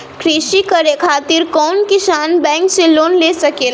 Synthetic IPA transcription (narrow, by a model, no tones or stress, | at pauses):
kʰɾiʃikəɾekʰaːt̪iɾkɔnkisaːnbɛ̃ŋkseloːnlesəkeːl